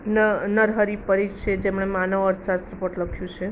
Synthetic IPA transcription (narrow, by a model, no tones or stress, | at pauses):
nnəɾɦəɾipəɾikt͡ʃed͡ʒemɳ̃emanəʋəɾt̪ʰʃast̪ɾəpəʈləkʰjũt͡ʃʰe